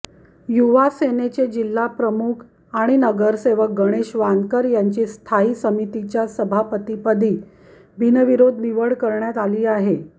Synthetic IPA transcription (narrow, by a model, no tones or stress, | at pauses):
juʋasenet͡ɕed͡ʑilːapɾəmukʰ | aɽ̃inəɡəɾseʋək̚ɡəɽ̃eɕʋankəɾjaɲt͡ɕiːst̪ʰaiːsəmit̪it͡ɕjasəbʱapət̪ipəd̪ʱiː | bʱinəʋiɾod̪ʱʋiʋəɽkəɾɳjat̪aliːaɦe